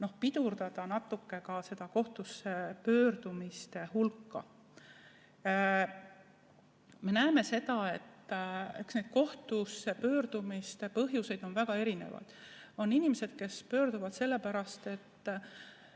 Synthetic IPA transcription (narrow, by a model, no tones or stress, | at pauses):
no̞hpid̪̥urd̪̥ɑd̪̥ɑnɑt̪ːˑukːe̞kɑse̞d̪̥ɑko̞ht̪usːe̞pø̞ːɾd̪̥umist̪e̞hulkˑːɑ | me̞næeme̞se̞d̪̥ɑe̞t̪ːe̞ksne̞jd̪̥̚ko̞ht̪use̞pø̞ːɾd̪̥umist̪e̞pɤɦjuse̞jd̪̥o̞nvæɡ̥ɑe̞ɾinḛvɑ̰jd̪̥o̞nːinimese̞d̪̥ke̞spø̞ːɾd̪uvɑd̪̥se̞lːe̞pæɾɑst̪e̞t̪ː